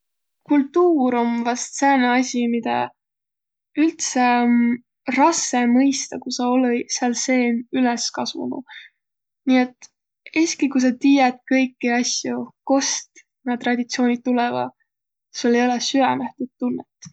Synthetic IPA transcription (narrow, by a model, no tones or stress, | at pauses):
kult̪ːuːɾo̞mvɑst̪seːneɑsʲimid̪̥ɑ̰ | ylt̪sen | rɑsːemɤjst̪ɑkusɑoleseɑlse̞ːnyleskɑsvṵnṵ | niet̪ːˑ | eskikujs̬ɑt̪iːjɛt̪kɤjkːiɑsjoko̞st̪ | nɑt̪ːrɑd̪̥ʲit̪sio̞ːnʲid̪̚t̪ːulɛvɑ̰ | i̥solejolesyɛnæht̪ud̪̥̚t̪ːunːet̪ːˑ